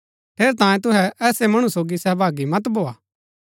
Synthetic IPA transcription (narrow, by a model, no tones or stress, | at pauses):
p̪ʰeːɾt̪ãːjẽt̪̬ʊɦɛʔɛːsemɐɽ̃ũsoːɡisɛɦbʱaːɡimɐt̪bʱoːaː